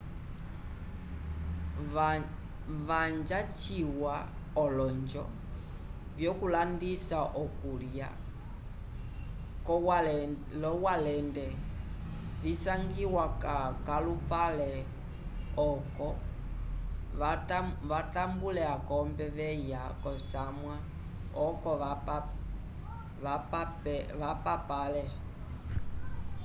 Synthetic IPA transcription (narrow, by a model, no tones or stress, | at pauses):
vaɲd͡ʒat͡ʃiwa | ɔlɔɲd͡ʒɔ̰ | vjɔkulandisaʔɔkuɾja̰ | k | lɔwalɛndɛ | visaŋɡiwakakalupalɛ | ɔkɔ | βatambulɛakɔmbɛʋɛjakɔsamwa | ɔkɔ | ʋapapalɛ